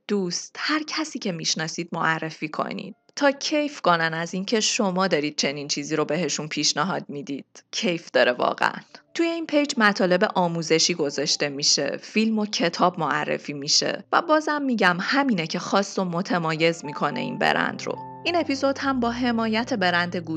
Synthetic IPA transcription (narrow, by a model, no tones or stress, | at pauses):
d̪̥uːst̪hæɾcʰæsiːcʰe̞miʃnɒːsiːd̪̚moʔærːefiːkʰo̞̰nḭːd̪̥̚t̪ʰɒːcʰe̞jfko̞nænæziːncʰe̞ʃo̞mɒːd̪ɒːɾiːd̪̥̚t͡ʃʰe̞niːnt͡ʃʰiːziːɾo̞be̞ɦe̞ʃunpʰiːʃnæɦɒːd̪̥̚mid̪iːd̪̥cʰejfd̪̥ɒːɾevɒ̰ːɣḛʔæ̰nt̪ʰuje̞iːnpʰe̞jd͡ʒmæt̪ʰɒːle̞be̞ʔɒːmuːze̞ʃiːɡo̞zɒːʃt̪e̞miʃe̞̰filmo̞cʰe̞t̪ʰɒːbmoærːḛfiːmiʃe̞̰væ̰bɒːzhæmːiːɟæmhæminecʰe̞xɒːst̪omo̞t̪ʰemɒːje̞zmiːkʰo̞ne̞̰ḭːnbḛɾæ̰nd̪̥ɾo̰ | iːne̞pizo̞d̪̥hæmbɒːɦe̞mɒːjæt̪ʰe̞be̞ɾænd̪eɡu